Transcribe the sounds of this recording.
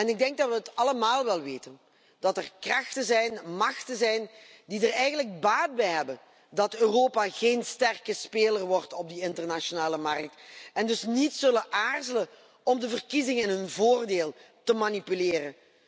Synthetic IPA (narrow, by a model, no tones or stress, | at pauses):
ɛnɪɡ̚dɛŋɡ̚dɑtʋəɦətɑləmaːlˠʋɛlˠʋeːtən | d̥ɑtərkrɑxtəzɛjnmɑxtəzɛjn | didərɛjɣənlək̚baːd̚bɛjɦɛbən | dɑtøːroːpaɣeːnstɛrkəspeːlərʋɔrtɔb̚diɪntərnaʃonaːləmɑrk̚tɛndɵsnitsɵləʔaːrzələ | ɔmdəvərkizɪŋəɪnɦənvoːrdeːlˠ | təmanipyleːrən